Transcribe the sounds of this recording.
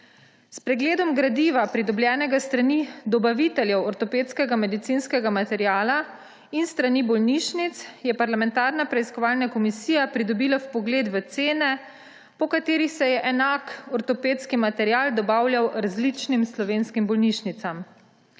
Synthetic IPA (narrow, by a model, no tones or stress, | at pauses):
spɾɛɡleːd̪ɔmɡɾad̪iːʋapɾid̪ɔblʲjɛːnɛɡast̪ɾanid̪ɔbaʋit̪ɛljɛwɔɾt̪ɔpeːt̪skɛɡamɛd̪it̪siːnskɛɡamat̪ɛɾjaːla | inst̪ɾanibɔlniʃnit̪sjɛpaɾlamɛnt̪aːɾnapɾɛiskɔʋaːlnakɔmisiːjapɾid̪ɔbiːlawpɔɡleːd̪ʋət̪seːnɛ | pɔkat̪eːɾixsɛjɛʔɛnakɔɾt̪ɔpeːt̪skimat̪ɛɾjaːld̪ɔbaːwlʲjawɾazlit͡ʃnimslɔʋeːnskimbɔlniːʃnit̪sam